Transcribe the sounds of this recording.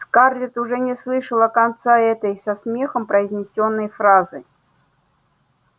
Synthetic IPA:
skardʲɪt̪ʊʐɛnʲɪslˠɨʂəlˠəkɐnt̪saɛt̪əjsɐsmʲe̞xəmpɾəɪzʲnʲɪsʲonːəjfɾazɨ

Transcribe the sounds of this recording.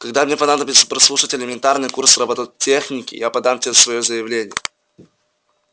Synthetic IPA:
kɐɡd̪amnʲepɐnad̪əbʲɪt̪sə̥pɾɐslˠuʂətʲɪlʲɪmʲɪnt̪arnɨjkursrɐbot̪ətʲexnʲɪkʲɪ̰japɐd̪amtʲɪeəsvɐjozəjɪvlʲenʲɪjə̰

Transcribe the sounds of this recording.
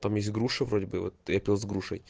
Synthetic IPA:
t̪amjesʲtʲɡɾuʂɨvɾodʲɪbɨvot̪japʲilˠzɡɾuʂə̰j

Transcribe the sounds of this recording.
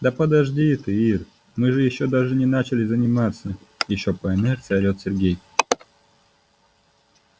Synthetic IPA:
d̪əpəd̪ɐʐdʲit̪ɨir | mɨʐɨjɪɕːo̞d̪aʐɨnʲɪnat͡ɕɪlʲɪzənʲɪmat̪sə | jɪɕːo̞pəɛnɛrt̪sɨɐɾʲot̪sʲɪrɡʲej

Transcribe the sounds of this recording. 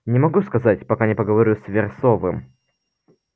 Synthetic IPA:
nʲɪmɐɡuskɐzatʲpɐkanʲɪpəɡəvɐɾʲusʲvʲɪrsovɨm

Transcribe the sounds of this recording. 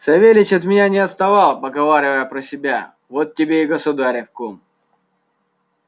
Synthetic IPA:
sɐvʲelʲɪt͡ɕɐt̪mʲɪnʲanʲɪɐt̪st̪ɐvɑlˠpɐɡɐvaɾʲɪvəjəpɾəsʲɪbʲa̰ | vot̪̚tʲːɪbʲeɪɡəsʊd̪aɾʲɪfkom

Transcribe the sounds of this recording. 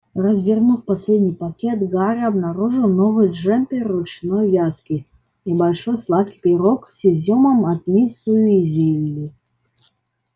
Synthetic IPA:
rəzvʲɪrnufpɐsʲlʲed̪ʲnʲijpɐkʲet̪ɡaɾʲɐbnaɾuʐɨlˠnovɨjʐɛmʲpʲerːʊt͡ʃnojjʲaskʲi | ibɐlʲʂojslˠat̪̚kʲi̥pʲeɾoksʲezʲoməmɐt̪mʲisujʊizʲevʲlʲi

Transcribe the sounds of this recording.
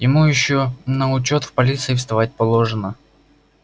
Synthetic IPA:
jɪmujɪɕːonəʊt͡ɕo̞t̪fpɐlʲit̪sɨɪfst̪ɐvat̚ʲpɐlˠo̞ʐɨnə

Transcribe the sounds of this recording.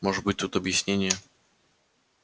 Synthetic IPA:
mɔʐɛbɘt͡ɕt̪ut̪ɔbʲjaɕɲeɲɛ

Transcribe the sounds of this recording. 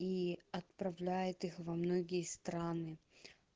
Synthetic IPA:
iɐt̪̚pɾɐvlʲæjɪt̪ɨxvɐmnoɡʲɪjəst̪ɾanɨ

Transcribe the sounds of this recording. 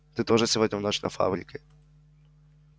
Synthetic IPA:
t̪ɨt̪oʐɨfsʲɪvodʲnʲɪvnot͡ɕnɐ̰fa̰bɾʲɪkʲɪ

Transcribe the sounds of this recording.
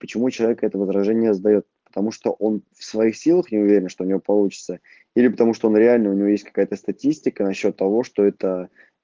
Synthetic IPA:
pə̥t͡ɕɪmut͡ɕɪlˠɐvʲekəɛt̪əvəzɾɐʐɛnʲɪjəəzd̪ɐjo̞t̪̚pə̥t̪ɐmuʂt̪o̞ʔo̞nfsvɐixsʲilˠəxnʲɪʊvʲeɾʲɪnʂt̪oʊnʲɪvo̞pɐlˠut͡ɕɪ̥t̪sə | ilʲɪpət̪ɐmuʂt̪oo̞nɾʲɪalʲnəʊnʲɪvo̞jesʲtʲkɐ̥kajət̪əst̪ɐtʲisʲtʲɪkənɐɕːo̞t̪ːɐvo̞ʂt̪o̞ɛt̪ə

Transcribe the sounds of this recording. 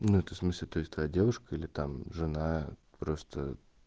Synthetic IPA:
nuɛt̪əsmɨsʲlʲɪt̪o̞ɪsʲt̪vɐjadʲe̞vʊʂkəilʲɪt̪amʐɨna | pɾo̞st̪ə

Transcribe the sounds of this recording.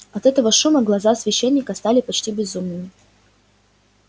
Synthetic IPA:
ɐt̪ɛt̪əvəʂuməɡlˠɐzasvʲɪɕːenʲːɪkəst̪alʲɪpɐt͡ɕtʲibʲɪzumnɨmʲɪ

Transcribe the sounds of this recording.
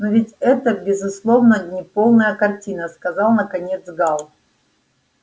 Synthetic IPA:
novʲɪtʲɛt̪əbʲɪzʊslˠo̞vnənʲɪpo̞lˠnəjəkɐrtʲinəskɐzɑlˠnəkɐnʲe̞t̪zɡɑlˠ

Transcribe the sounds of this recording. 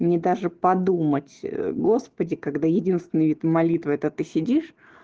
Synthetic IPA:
nʲɪd̪aʐɨpɐd̪umətʲɡo̞spədʲɪkaɡd̪ajɪdʲinst̪vʲɪnːɨvʲit̪mɐlʲit̪vɨɛt̪ət̪ɨsʲɪdʲiʂ

